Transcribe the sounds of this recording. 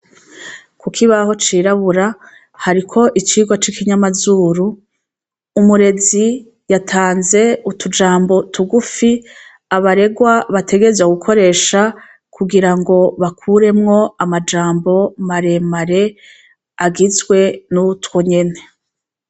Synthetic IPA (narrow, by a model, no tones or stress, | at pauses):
kukʰiβaho̞t͡ʃiːɾaβuɾa | haɾikʰo̞ʔit͡ʃiːɡwat͡ʃikiɲamazuːɾuː | muɾe̞zi | jatʰaːnze̞utud͡ʒaːmbo̞tuɡufi | aβaɾe̞ɡwaβatʰe̞ɡe̞ɾzwaɡukʰo̞ɾe̞ːʃa | kʰuɡiɾaŋɡo̞βakʰuɾe̞mŋo̞amad͡ʒaːmbo̞maɾe̞maɾe̞ | aɡizɡwe̞nutwoɲe̞ne̞